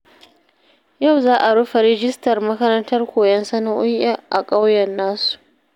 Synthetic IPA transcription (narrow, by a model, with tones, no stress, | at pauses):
ja˦˨wzaː˦ʔa˨ɽʊ˦ɸa˨ɾɪ˦d͡ʒɪ˦stɐ˨rmɐ˦kɐ˦ɾɐ˦ntɐ˦rkʷoː˨jɐ˦nsɐ˦na˦ʔʊ˦jaː˦ʔa̰˨kʼa˦wjɐ˨nːaː˦su̥˨ʔ